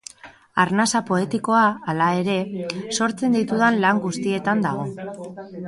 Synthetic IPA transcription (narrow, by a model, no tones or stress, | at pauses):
aɾnasapo̞e̞t̪iko̞aːlae̞ɾe̞so̞ɾt͡se̞nd̪it̪uðanlaŋɡust̪ie̞t̪and̪aɣ̞o̞